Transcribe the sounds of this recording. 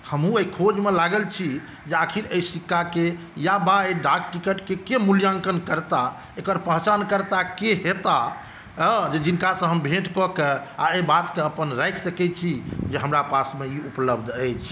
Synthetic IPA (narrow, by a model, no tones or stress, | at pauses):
həmɦũejkʰod͡ʒmelaɡəlt͡ʃʰi | d͡ʒeəkʰiɾəisikːake | jabaeɖak̚ʈikəʈkekemuljãŋkənkəɾt̪a | ekəɾpəɦt͡ʃankəɾt̪akeɦet̪a | d͡ʒed͡ʒinkasə̃ɦəmbʱeʈkɔkea̰ebat̪keəpənɾɛjkʰsəkɛt͡ʃʰid͡ʒeɦəmɾapasmeiupləbd̪ʱəjt͡ʃʰ